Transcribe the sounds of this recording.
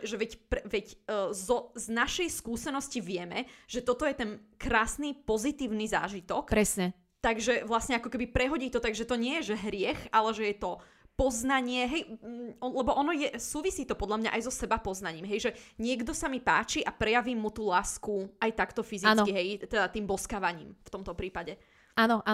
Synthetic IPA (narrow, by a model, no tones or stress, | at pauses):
ʒɛʋɛcpɛʋɛcːzɔznaʃɛjskuːsɛnɔsciʋɪɛmɛʒ̥ɛt̪ɔt̪ɔjɛt̪ɛnkɾaːsnipɔzit̪iːʊniza̰ːʒit̪ɔkpɾɛsɲɛ | t̪aɡʒɛʋlasɲɛakɔkɛbipɾɛɦɔɟiːt̪ɔt̪aɡʒɛt̪ɔɲɪɛjɛʒɛɦɾɪɛxalɛʒɛjɛt̪ɔ | pɔznaɲɪɛɦɛjɔlɛbɔʔɔnɔjɛsuːʋisiːt̪ɔpɔd̪ʎamɲa̰ʔajzɔsɛbapɔznaɲiːmɦɛjʒɛɲɪɛɡd̪ɔsamipa̰ːt͡ʃiʔapɾɛjaʋiːmːut̪uːlaːskuʔajt̪akt̪ɔfizit͡skiɦɛjt̪ɛd̪at̪iːmbɔskaːʋaɲḭːmft̪ɔmt̪ɔpɾiːpaɟɛ | anɔʔa